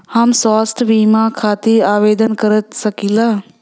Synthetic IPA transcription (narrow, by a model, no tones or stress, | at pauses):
hamsaːsʈʋiːmãːkʰaːt̪iaːʋeːd̪ənkəɾət̪səkilaː